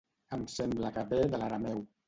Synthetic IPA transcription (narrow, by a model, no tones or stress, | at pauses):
əmsɛmbləkəβeðəlaɾamɛw